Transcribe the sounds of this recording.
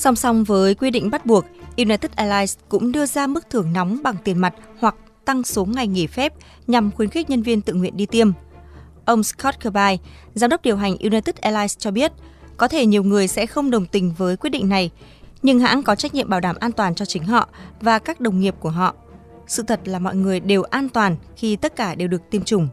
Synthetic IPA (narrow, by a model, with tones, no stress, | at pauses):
sa˧wŋ͡msa˧wŋ͡mvəː˨˦jkwi˧ɗḭ̈˧˨ŋ̟ɓa˦˥t̚ɓu˨˩ək̚ʔi˧naː˧t̪i˦˥k̚ʔɛ˧laː˧jskʊ̰˧˥ŋ͡mɗɨ˧əzaː˧mɨ˦˥k̚t̪ʰɨ˧˩əŋnɔ˨˦wŋ͡mɓa˨˩ŋt̪i˨˩nma˨˩jt̚hwa˨˩k̚ | t̪a˧ŋso˨˦ŋːa˨˩jŋi˧˩fɛ˦˥p̚ | ɲa˨˩mxwi˨˦nxi˦˥ɲə˧nvi˧ənt̪ɨ̰˧˨ŋwḭ˧˨ənɗi˧t̪i˧əm | ʔə˧wŋ͡mskɔ˦˥t̚kə˧ɓaː˧j | zaː˨˦mɗə˦˥k͡p̚ɗi˨˩əwɦa˨˩jŋ̟ʔi˧naː˧t̪i˦˥k̚ʔɛ˧laː˧jst͡ɕɔ˧ɓi˦˥ət̚ | kɔ˨˦t̪ʰe˧˩ɲi˨˩əwŋɨ˨˩əjsɛ̰˧˥xə˧wŋ͡mɗə˨˩wŋ͡mt̪ï˨˩ŋ̟vəː˨˦jkwt̚ɗḭ˧˨ŋ̟na˨˩j | ɲɨ˧ŋɦa̰ː˧˥nkɔ˨˦t͡ɕa˦˥k̟̚ɲḭ˧˨ə˨mɓaː˧˩wɗaː˧˩mʔaː˧nt̪waː˨˩nt͡ɕɔ˧t͡ɕï˨˦ŋ̟ɦɔ̰˧˨vaː˨˩kaː˦˥k̚ɗə˨˩wŋ͡mŋi˨˩əp̚ku˧˩əɦɔ̰˧˨ | sɨ̰˧˨t̪ʰə˨˩t̚laː˨˩mɔ̰˧˨jŋɨ˨˩əjɗe˨˩wʔaː˧nt̪waː˨˩nxi˧t̪ə˦˥t̚kaː˧˩ɗe˨˩wɗɨ˨˩ək̚t̪i˧əmt͡ɕʊ˨˩ŋ͡m